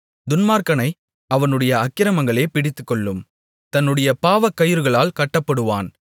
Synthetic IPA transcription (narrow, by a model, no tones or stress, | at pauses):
d̪ʊnmaːɾkɐnɐɪ | ɐʋɐnɯɽɐjɐɐkːɪɾɐmɐŋɡɐɭeːpɪɽɪt̪ːɯkːɔɭːɯm | t̪ɐnːɯɽɐjɐpaːʋɐkːɐjɯɾɯɣɐɭaːlkɐʈːɐpːɐɽɯʋa̰ːn